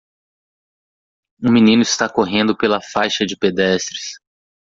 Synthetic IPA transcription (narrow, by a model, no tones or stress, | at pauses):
ũmĩnĩnʊɪst̪akoɦẽnd̪ʊpelɐfajʃɐd͡ʒɪped̪ɛst̪ɾɪs